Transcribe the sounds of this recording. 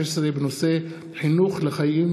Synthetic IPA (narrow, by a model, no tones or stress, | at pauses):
sɾebenose | ħinuːxlexajʔim